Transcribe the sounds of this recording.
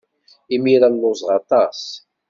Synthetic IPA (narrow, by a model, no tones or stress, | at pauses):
imiɾallʊzˤʁɑt̪ˤɑs